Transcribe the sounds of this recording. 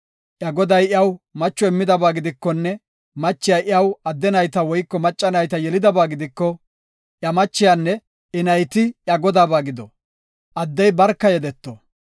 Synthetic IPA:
ʔjɐɡɔd̪ɐjɪɐwmɐt͡ʃːɔɪmːɪd̪ɐbaːɡɪd̪ɪkːɔnːɛ | mɐt͡ʃːɪjɐʔɪɐwɐd̪ːɛnɐjt̪ɐwɔjkːɔmɐt͡ʃʼːɐnɐjt̪ɐjɛlɪd̪ɐbaːɡɪd̪ɪkːɔ | ʔjɐmɐt͡ʃːɪjanːɛ | ɪnɐjt̪ɪʔjɐɡɔd̪aːbaːɡɪd̪ɔ | ʔɐd̪ːɛjbɐɾkːɐjɛd̪ɛt̪ːo

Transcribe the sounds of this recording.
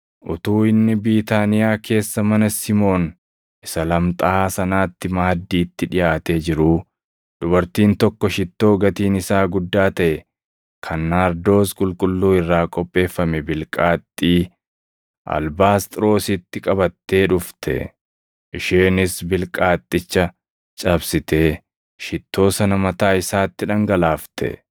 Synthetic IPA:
ʔʊt̪uːɪnːɪbiːt̪aːnɪjaːkʰe̞ːsːɐmɐnɐsɪmo̞ːn | ʔɪsɐlɐmt̪ʼaːsɐnaːt̪ːɪmaːd̪ːiːt̪ːɪᶑɪjaːt̪eːd͡ʒɪɾuː | d̪ʊbɐɾt̪iːnt̪ɔkːɔʃɪt̪ːo̞ːɡɐt̪iːnɪsaːɡʊd̪ːaːt̪ɐʔɛ | kʰɐnːaːɾd̪o̞ːskʼʊlkʼʊlːuːɪrːaːkʼɔpʼːe̞ːfːɐmɛbɪlkʼaːt̪ʼːiː | ʔɐ̰lbaːst̪ʼɪɾo̞ːsɪt̪ːɪkʼɐbɐt̪ːe̞ːᶑʊft̪ʰɛ̰ | ʔɪʃeːnɪsbɪlkʼaːt̪ʼːɪt͡ʃːɐ | t͡ʃʼɐbsɪt̪e̞ː | ʃɪt̪ʰːo̞ːsɐnɐmɐt̪aːɪsaːt̪ːɪᶑɐŋɡɐlaːft̪ʰɛ̰

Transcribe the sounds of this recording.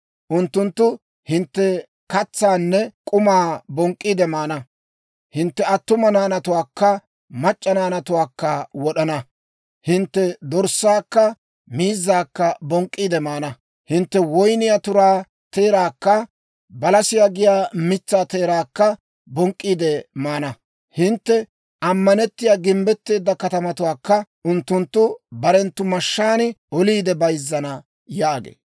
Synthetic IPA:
ʔʊnt̪ːʊnt̪ːʊ | hɪnt̪ːɛ | kɐt͡sːaːnːɛkʼʊmaːbɔŋkʼːiːd̪ɛmaːnɐ | hɪnt̪ːɛɐt̪ːʊmɐnaːnɐt̪ʊwaːkːɐ | mɐt͡ʃʼːɐnaːnɐt̪ʊwaːkːɐwɔɗɐnɐ | hɪnt̪ːɛd̪ɔɾsːaːkːɐ | miːzːaːkːɐbɔŋkʼːiːd̪ɛmaːnɐ | hɪnt̪ːɛwɔjnɪjat̪ʊɾaː | t̪eːɾaːkːɐ | bɐlɐsɪjaɡɪjaːmɪt͡sːaːt̪e̞ːɾaːkːɐ | bɔŋkʼːiːd̪ɛmaːnɐ | hɪnt̪ːɛ | ʔɐmːɐnɛt̪ːɪjaːɡɪmbɛt̪ːe̞ːd̪ːɐkɐt̪ɐmɐt̪ʊwaːkːɐʔʊnt̪ːʊnt̪ːʊbɐɾɛnt̪ːʊmɐʃːaːnɪɔliːd̪ɛbɐjzːɐnɐ | jaːɡḛː

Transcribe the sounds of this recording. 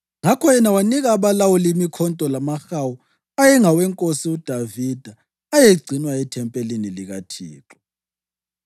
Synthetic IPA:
ŋakʰɔjɛnawaniɣaːβalawɔlimikʰɔntʼɔlamaxawu | ajɛŋawɛŋkʼosiud̥ʱavid̥ʱa | ajeɡ͡ǀʱinwaɛtʰɛmpʼeliniliɣatʰḭːǁɔ̥

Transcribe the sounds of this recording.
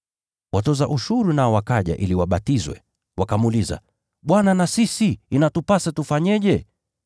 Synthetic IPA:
wʔatɔzaʔuʃuɾunaɔwakaʄa̰ʔiliwaɓatizwɛ̰ | wakamuliza̰ | ɓwananasisiːnatupasɛtufaɲɛʄɛ

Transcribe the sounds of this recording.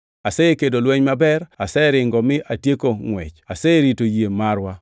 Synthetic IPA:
asɛekedolwɛɲmabɛɾasɛɾɪŋɡɔmɪʔatjekoŋwɛ̰t͡ʃasɛɾitojemaɾwa

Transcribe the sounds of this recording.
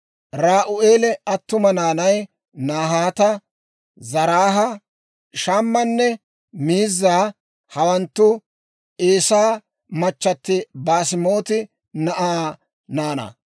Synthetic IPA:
ɾaːʔʊʔeːlɛɐt̪ːʊmɐnaːnɐj | naːɦaːt̪ɐ | zɐɾaːɦɐ | ʃaːmːɐnːɛ | miːzːaː | hɐwɐnt̪ːʊ | ʔeːsaː | mɐt͡ʃːɐt̪ːɪbaːsɪmo̞ːt̪ɪ | nɐʔaː | naːnɐ̰

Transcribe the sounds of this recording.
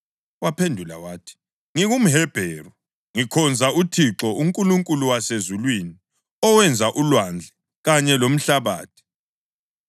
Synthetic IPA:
wapʰendʱula̰waːtʰi̥ | ŋiɣum̩ɦɛb̥ʱɛːrɔ | ŋikʰɔnd͡zʱautʰiǁɔuŋkʼuluŋkʼuluwasezulwini | ɔwɛnd͡zʱaʔulwand͡ɮʱɛ | ɣaɲɛlom̩ɬaβa̰ːtʰi̥

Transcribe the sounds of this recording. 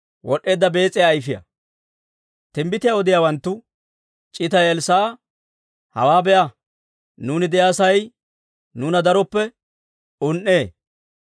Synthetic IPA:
wɔɗːe̞ːd̪ːɐbe̞ːt͡sʼɪjaːjfɪjɐ̰ | t̪ɪmbɪt̪ɪjaɔd̪ɪjaːwɐnt̪ːʊ | t͡ʃʼɪt̪ɐjɛlsaː | hɐwaːbɛjɐ | nuːnɪd̪ɛjaːsɐj | nuːnɐd̪ɐɾɔpːɛ | ʊnʔːeː

